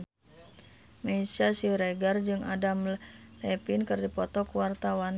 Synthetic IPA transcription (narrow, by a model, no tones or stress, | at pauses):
mɛisasiɾɛɡard͡ʒɨŋʔadamlɛpinkɨrdipɔt̪ɔkwart̪awan